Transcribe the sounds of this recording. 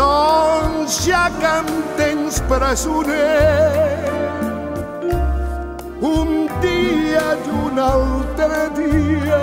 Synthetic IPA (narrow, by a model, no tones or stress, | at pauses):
ɔ | ʒakɐmt̪eɲspɾɐsune | ũnd̪iɐd̪unawt̪ɾɐd̪iɐ